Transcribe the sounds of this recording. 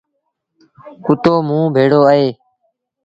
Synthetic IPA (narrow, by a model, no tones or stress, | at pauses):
kʊt̪oːmũːbʱeːɽoːəɦeː